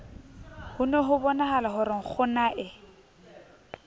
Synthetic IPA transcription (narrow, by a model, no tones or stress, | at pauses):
hʊnɛɦʊbɔnaɦalaɦʊɾɪŋ̩k͡xʰʊnaʔɪ